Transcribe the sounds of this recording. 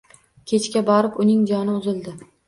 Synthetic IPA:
kʲʰe̞t͡ʃkʲabɒɾɪpʊnɪŋd͡ʒɒnɪʊzɪld̪ɪ

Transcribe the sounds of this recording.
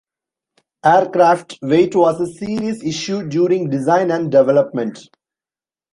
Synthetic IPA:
eːəɾkɾaːfʈʋeːʈʋɔːzəsiːɾiəsɪʃjuɖːjuːɾɪ̃ŋɡɖɪzãɪ̃næ̃ɳɖɖɛʋɛləp̚mɛ̃ɳʈ

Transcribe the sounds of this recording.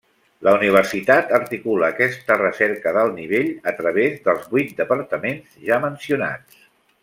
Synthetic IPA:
lʔəuniβ̞ərsit̪at̪əɾt̪ikuləːkɛst̪ərəsɛɾkəðəlˠniβ̞eʎət̪ɾəβ̞ezðəlˠzβwujt̪̚d̪əpəɾt̪əmenz̥ʒamənsiuna̰t͡s

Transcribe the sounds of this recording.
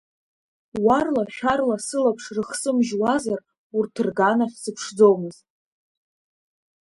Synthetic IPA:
warlaʃᶣarlasɨlapʰʂrɨχsɨmʒwazar | urtʰɨrɡanaχʲsɨpʰʂd͡zo̞wmɨzt

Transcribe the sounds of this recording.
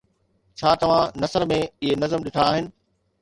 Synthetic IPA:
t͡ɕʰaːt̪ɐʋ̤ãnɐsəɾmẽɪɦenɐzəmɗɪʈʰaːɦɪnɪ̆

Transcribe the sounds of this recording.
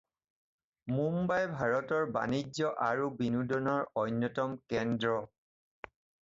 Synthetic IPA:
mumbajbʱaɹɔtɔɹba̰nid͡ʒɔʔaɹubinudɔnɔɹɔjnjɔtɔmkɛndɹɔ

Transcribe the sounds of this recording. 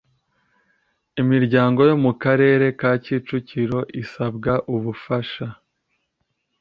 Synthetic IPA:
imiɾɟaːŋɡo̞jo̞mukaɾe̞ːɾe̞kaːciːt͡ʃuciɾo̞ʔisabɡaʔuβufaʃa

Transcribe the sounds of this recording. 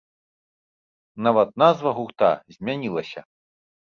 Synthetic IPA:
navɐt̪̚nazvɐɣuxt̪a̰zʲmʲanʲilˠɐsʲɐ̰

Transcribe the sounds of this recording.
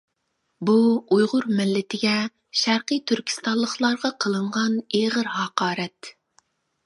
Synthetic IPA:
buujʁʊɾmɪlːɪt̪ʰɪɡʲɛ | ʃæɾqijt̪ʰyɾkʲʰi̥st̪ɑlˠːəχlˠɑɾʁɑqʰəlˠɨɴʁɑneːʁəɾhɑqɑːɾɛt̪

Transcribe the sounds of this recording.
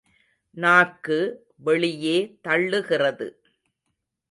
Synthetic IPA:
naːkːɯ | ʋɛɭɪjeːt̪ɐɭːɯɣɪrɐðɯ̰

